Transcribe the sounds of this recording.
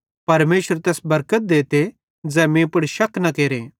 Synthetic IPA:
pɐɾmeːʃəɾt̪ɛːsbɐɾkət̪̚d̪eːt̪e | d͡zɛːmẽpʊɽʃɐknɐkeːɾeː

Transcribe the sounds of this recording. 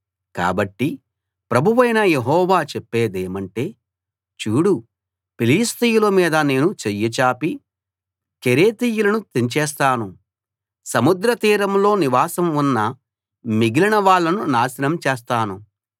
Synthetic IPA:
ka̰ːbɐʈːi | pɾɐbʱuʋɐjnɐjeɦɔːʋaːt͡ʃɛpːeːd̪eːmɐɳʈe̞ː | t͡ʃuːɽu | piliːst̪ijulɐmiːd̪ɐne̞ːnut͡ʃejːɐt͡ʃaːpi | keɾeːt̪iːjulɐnut̪iɲt͡ʃɛːs̬t̪aːnu | sɐmud̪ɾɐt̪iːɾɐmlo̞ːniʋaːsɐmunːɐ | miɡilinɐʋaːɭːɐnunaːsinɐmt͡ʃeːs̬t̪aːnu

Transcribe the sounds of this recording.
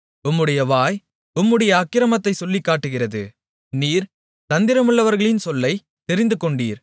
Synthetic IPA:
ʊmːɯɽɐjɐʋaːj | ʊmːɯɽɐjɐːkːɪɾɐmɐt̪ːɐɪsɔlːɪkːaːʈːɯɣɪrɐðɯ̰ | niːɾ | t̪ɐnd̪ɪɾɐmɯɭːɐʋɐɾɣɐɭɪnsɔlːɐɪ | t̪ɛɾɪnd̪ɯkɔɳɖiːɾ

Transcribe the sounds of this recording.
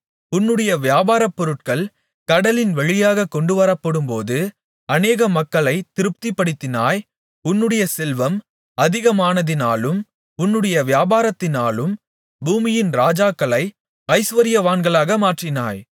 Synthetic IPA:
ʊnːɯɽɐjɐʋɪjaːbaːɾɐpːɔɾɯʈ̚kɐɭ | kɐɽɐlɪnʋɐɻɪjaːɣɐkːɔɳɖɯʋɐɾɐpːɐɽɯmpoːðɯ | ɐneːɣɐmɐkːɐɭɐɪt̪ɪɾɯp̚t̪ipːɐɽɪt̪ːɪnaːj | ʊnːɯɽɐjɐsɛlʋɐm | ɐðɪɣɐmaːnɐðɪnaːlɯm | ʊnːɯɽɐjɐʋɪjaːbaːɾɐt̪ːɪnaːlɯm | buːmɪjɪnɾaːd͡ʒaːkːɐɭɐɪ | ɐɪsʋɐɾɪjɐʋaːnɡɐɭaːɣɐmaːʈrɪnaːj

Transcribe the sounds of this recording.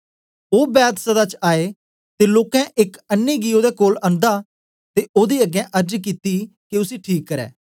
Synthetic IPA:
oːbɛːt̪səd̪aːt͡ʃaːeː | t̪eːloːkɛ̃ːʔɪkənːeːɡiːoːd̪eːkoːlə̃nd̪aː | t̪eːʔoːd̪iːəɡɛ̃ːʔəɾd͡ʒkiːt̪iː | kiʊsiːʈʰiːkːəɾɛ̰ː

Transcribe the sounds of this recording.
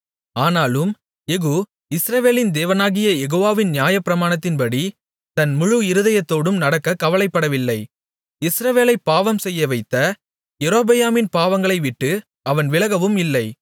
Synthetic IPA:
aːnaːlɯm | ɛɣuː | ɪsɾɐʋeːlɪnd̪eːʋɐnaːɣɪjɐjɛɣoːʋaːʋɪnnjaːjɐpːɪɾɐmaːɳɐt̪̬ːɪnpɐɽi | t̪ɐnmʊɻɯɪɾɯðɐjɐt̪ːoːɽɯmnɐɽɐkːɐkːɐʋɐlɐɪpːɐɽɐʋɪlːɐɪ | ɪsɾɐʋeːlɐɪpːaːʋɐmsɛjːɐʋɐɪt̪ːɐ | jɛɾoːbɐjaːmɪnpaːʋɐŋɡɐɭɐɪʋɪʈːɯ | ɐʋɐnʋɪlɐɣɐʋɯmɪlːɐɪ

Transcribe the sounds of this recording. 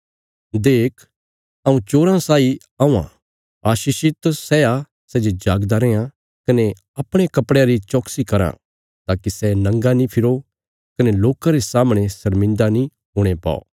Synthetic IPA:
d̪eːkʰ | ɐũt͡ʃoːɾãsaːi | ɐũːã̰ | aːʃiːʃit̪sɛːa | sɛːd͡ʒed͡ʒaːɡd̪aɾɛːã | kɐne | ɐpɽ̃ekɐpɽeaɾit͡ʃɔːksikɐɾã̰ | t̪aːkisɛnɐ̃ŋɡanĩpʰɪɾo | kɐneloːkaɾesaːmɽ̃esɐɾmɪ̃nd̪anĩ | ɦʊːɽ̃epa̰ːo̰ː

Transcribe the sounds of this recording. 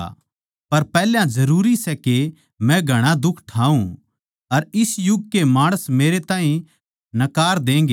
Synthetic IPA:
pɐɾpɛːljãd͡ʒɐɾuːɾisɛke | mɛ̃ɡʱɐɽ̃ad̪ʊkʰʈʰaːũ | ɐɾɪsjʊɡ̚kemaːɽ̃əsmeːɾet̪ãːɦĩ | nɐkaːɾd̪ẽːŋ̆ɡe

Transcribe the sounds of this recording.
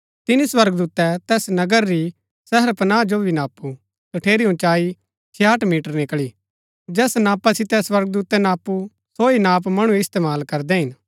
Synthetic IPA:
t̪ɪniswɐɾɡd̪uːt̪ɛt̪ɛːsnɐɡəɾːi | sɛɦəɾpɐnaːd͡ʒobʱinaːpːu | t̪ɐʈʰeːɾiɦũt͡ʃaːi | t͡ʃʰeːaːʈʰmiːʈəɾnɪkɭi | d͡ʒɛːsnaːpasɪt̪ɛswɐɾɡ̚d̪uːt̪ɛnaːpu | soːinaːp̬mɐɽ̃ũɪst̪eːmaːlkɐɾd̪ɛɦɪn

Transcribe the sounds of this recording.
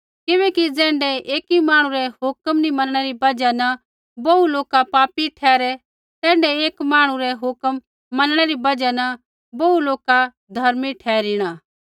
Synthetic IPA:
kɪʋɛ̃ːkid͡zɛ̃ːɳɖɛeːkimaːɽ̃ũɾɛɦʊkəmnimɐnɽ̃ɛɾibɐd͡ʒanɐ | bɐuloːkapaːpiʈʰɛːɾɛ | t̪ɛ̃ːɳɖɛeːkmaːɽ̃ũɾɛɦʊkəmː | ɐnɽ̃ɛɾibɐd͡ʒɛnɐ | bɐuloːka | d̪ʱɐɾmiʈʰɛːɾiɽ̃aː

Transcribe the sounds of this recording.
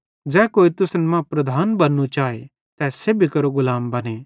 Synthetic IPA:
d͡ʒɛːkoːit̪ʊsnɛmãpɾɐd̪ʱaːnbɐnːũt͡ʃaːe | t̪ɛːsebʱikɐɾoɡʊlaːmbɐne

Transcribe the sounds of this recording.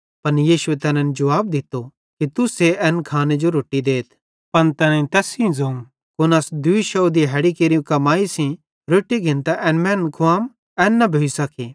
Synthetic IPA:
pɐnjiːʃʊet̪ɛːnɛ̃nd͡ʒɐʋaːbd̪ɪt̪ːo | kit̪ʊseɛːnkʰaːned͡ʒoɾoːʈːid̪eːt̪ʰ | pɐnt̪ɛːnɛt̪ɛːsĩzoːŋ | kʊnasd̪ʊiʃɔod̪iɦɛːɽikeːɾijũkɐmaːisĩ | ɾoːʈːiɡʱɪ̃nt̪aʔɛːnmɛ̃ːnkʰʊaːm | ɛːnːɐbʱeisɐkʰi

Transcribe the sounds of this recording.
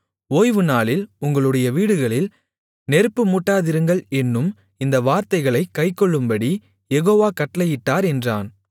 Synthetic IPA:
oːjʋɯnaːɭɪlʊŋɡɐɭɯɽɐjɐʋiːɽɯɣɐɭɪl | nɛɾɯpːɯmʊʈːaːðɪɾɯŋɡɐɭɛnːɯm | ɪnd̪ɐʋaːɾt̪ɐɪɣɐɭɐɪkːɐɪkːɔɭːɯmbɐɽi | jɛɣoːʋaːkɐʈːlɐjɪʈːaːɾɛndra̰ːn

